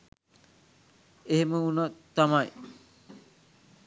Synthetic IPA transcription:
eɦeməunat̪amaj

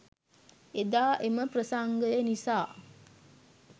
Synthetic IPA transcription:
ed̪aːʔeməprəsaŋɡəjənisaː

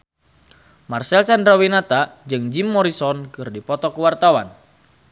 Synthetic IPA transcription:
marsɛlt͡ʃandɾawinat̪ad͡ʒɨŋd͡ʒimːɔɾisɔnkɨrdipɔt̪ɔkuwart̪awan

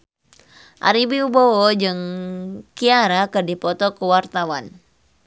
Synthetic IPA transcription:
ʔa̰ɾibiubɔwɔd͡ʒɨŋkiaɾakɨrdipɔt̪ɔkəwart̪awan

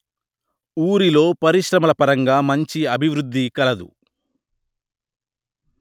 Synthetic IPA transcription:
uːɾilo̞ːpɐɾiʂɾɐmɐlɐpɐɾɐŋɡaːmɐɲt͡ʃiɐbʱiʋɾud̪ːikɐlɐd̪ṵ

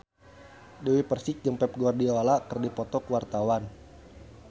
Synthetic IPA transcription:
dewipərsɪk̚d͡ʒəmpɛp̚ɡoardiolakərdipɔt̪ɔkwart̪awan

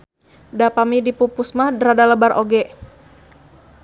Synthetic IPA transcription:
dapamidipupʊsmahdɾadaləbarʔoɡɛ

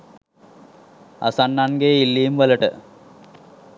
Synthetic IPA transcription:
a̰sanːanɡeːilːiːmʋələʈə̰

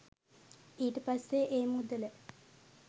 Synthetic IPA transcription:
iːʈəpasːeʔeːmud̪ələ

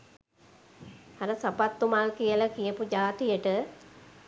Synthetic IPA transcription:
aɾəsapat̪ːumalkijəlakijəpud͡ʒaːt̪ijəʈə

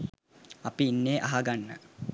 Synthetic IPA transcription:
ɐpiːnːeːʔaɦaɡanːə̰

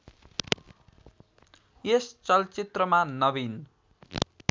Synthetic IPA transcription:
est͡sʌlt͡sit̪rʌmanʌbin

